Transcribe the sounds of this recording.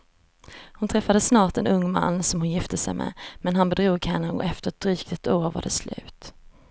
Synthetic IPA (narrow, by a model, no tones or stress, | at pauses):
hʊnt̪ʰɾɛfːad̪əsːnɑːʈɛnɵŋːma̰nːsɔmhʊnjɪft̪əsɛjmʔɛ̰mɛnɦanbɛd̪ɾuːɡhɛnːəɔ̰ɛft̪əɾɛt̪̚d̪ɾiːk̚t̪ɛt̪uːɾva̰ɖɛslʉ̟̰ːt̪